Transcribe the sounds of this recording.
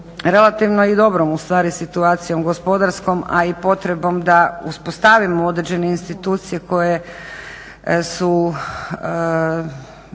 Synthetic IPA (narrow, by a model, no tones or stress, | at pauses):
ɾe̞lˠat̪iʋnoid̪o̞bɾomust̪ʋaːɾisit̪uaːt̪sijo̞mɡo̞spo̞d̪aɾsko̞ma̰ipo̞t̪ɾe̞bo̞md̪auspost̪aʋimoo̞d̪ɾed͡ʑe̞ne̞inst̪it̪uːt̪sije̞ko̞je̞ | su